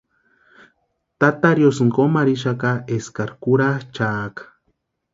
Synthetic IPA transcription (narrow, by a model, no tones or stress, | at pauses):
t̪at̪aɾjosŋkomaɾiʃakaeskaɾkuɾat͡ʃaːkḁ